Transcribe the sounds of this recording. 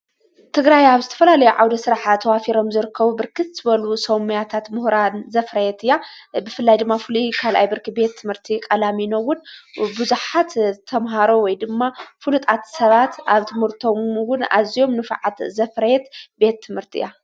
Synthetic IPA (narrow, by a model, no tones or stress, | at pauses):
t̪ʰɨɡɾajaβzɨt̪ʰɐ̥fɐlalɐjuʕawd̪ɐsɨɾaħat̪ʰɐwafiɾo̞mzɨɾɨkʰːɐβubɨɾkʰɨt̪zɨβɐlusomujat̪ʰat̪mʊhɾanzɐfɾɐjɛt̪ɨjabɨfɨlːajd̪ɨmːafɨlukʰalʔa̰jbɨɾkʰibe̞t̪ʰːɨmhɨɾt̪ʰikʼɐlaminowːʊnbuzuħat̪t̪ʰɐmɦaɾowɔjd̪ɨmːafulut̪ʼat̪sɐβat̪ʔaβt̪ʰɨmhɨɾt̪ʰo̞mwʊna̰zijo̞mnɨfʕat̪zɐfɾɐjɛt̪be̞t̪ʰːɨmhɨɾt̪ʰiʔɨ̰ja